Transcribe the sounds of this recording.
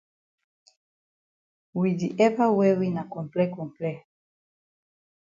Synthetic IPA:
widiʔɛvawɛwinakɔ̃mplɛkɔ̃mplɛ

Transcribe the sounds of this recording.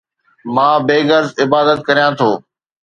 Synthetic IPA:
mãːbeːɡəɾzɪbaːd̪ət̪̚kəɾijãːt̪ʰoː

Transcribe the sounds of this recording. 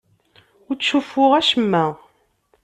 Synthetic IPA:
ʊɾt͡sːʃufːʊʁæʃəmːæ

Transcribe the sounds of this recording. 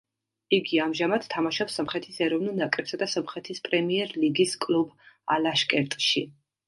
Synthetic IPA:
iɡiamʒamad̪̥t̪ʰːamaʃɔpsɔmχɾɛt̪ʰisɛɾɔvnulˠnakʼɾɛpsad̪asɔmχɾɛt̪ʰispʼɾɛmiɛɾliɡiskʼlubalaʃkʼɛɾt̪ʼʃi

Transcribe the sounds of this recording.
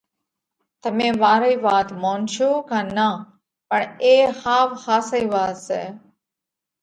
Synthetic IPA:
t̪əmẽːʋaːɾiːʋaːt̪moːnʃuːkãːnaː | pəɳeːhaːʋhaːsəiːʋaːt̪sɛ̰ː

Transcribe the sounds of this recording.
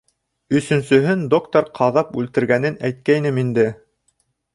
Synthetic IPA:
ɵ̆sɵ̆nsɵ̆ɦɘnd̪okt̪oɾqʰɑðɑpʉlt̪ɘ̆ɾɡænɘnæjt̪̚kæjnɘmind̪ɘ

